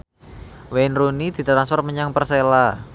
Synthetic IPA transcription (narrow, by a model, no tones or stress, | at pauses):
wenrunid̪̥i̤t̪ɾansfɔrt̪̚məɲaŋpərsela